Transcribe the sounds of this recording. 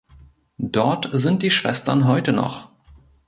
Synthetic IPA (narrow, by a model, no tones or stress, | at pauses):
d̥ɔɐtzɪnt̚d̥iːʃv̥ɛstɐ̰nɦɔʏtənɔ̰χ